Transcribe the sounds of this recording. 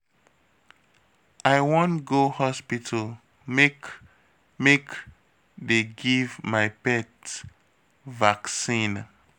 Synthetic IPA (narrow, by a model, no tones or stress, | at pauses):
ʔaɪwɔ̃ntɡohɔspitʰəl | mek | mek | deɡivmaɪpɛt | vaksĩn